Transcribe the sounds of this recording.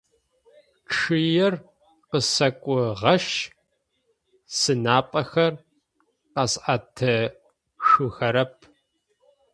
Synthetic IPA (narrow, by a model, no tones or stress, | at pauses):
ʈ͡ʂɨjɛr | qəsɐkʷʼʊʁɐʃ | sɨnaːpʼɐxɐr | qɐsʔatʰɐ | ʂuxɐɾɐp̚ʰ